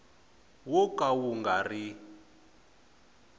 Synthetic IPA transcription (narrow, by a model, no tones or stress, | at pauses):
wɔkʼawuŋɡari